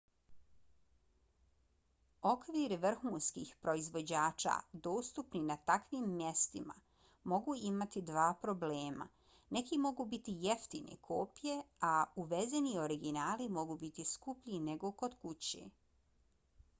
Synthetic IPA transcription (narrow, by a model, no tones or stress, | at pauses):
o̞kʋiːɾʋr̩xuːnskḭxpɾo̞izʋo̞d͡ʑaːt͡ʃa̰d̪o̞ːst̪upninat̪akʋimːjest̪ima̰ | mo̞ɡuːimat̪id̪ʋaːpɾo̞bleːma̰ | ne̞kimo̞ɡuːbit̪ijeft̪ḭnḛkʰoːpje̞auʋezenioɾiɡinaːlimo̞ɡuːbit̪iskupʎine̞ɡo̞ko̞d̪kut͡ɕḛ